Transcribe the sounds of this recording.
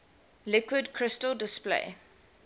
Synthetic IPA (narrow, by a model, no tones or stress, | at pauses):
lɪkwɪdkʰɹɪstəldɪsplḛɪ